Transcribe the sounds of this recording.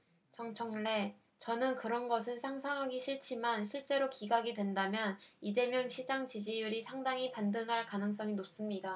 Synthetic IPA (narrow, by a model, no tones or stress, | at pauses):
t͡ɕʌŋt͡ɕʰʌŋɭe̞ | t͡ɕʌnɯnkɯɾʌnɡʌsʰɯnsʰaŋsʰaŋɦaɡiɕʰiɭt͡ɕʰimanɕʰiɭt͡ɕ͈e̞ɾokiɡaɡidwe̞ndamjʌnid͡ʑe̞mjʌŋɕʰid͡ʑaŋt͡ɕid͡ʑijuɾisʰaŋdaŋipandɯŋɦaɭkanɯŋs͈ʌŋinop̚s͈ɯmɲida